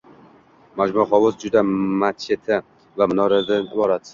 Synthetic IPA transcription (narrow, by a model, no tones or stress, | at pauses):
mad͡ʒmʊɾχɒwʊzd͡ʒʊd̪amat̪̚t͡ʃʰet̪ʰɪ | vamɪnɒɾad̪ɪnɪbɒɾat̪